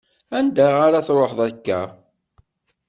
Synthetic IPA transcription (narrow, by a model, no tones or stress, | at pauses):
ænd̪æʁaɾaθɾˤoħðˤækːæ̰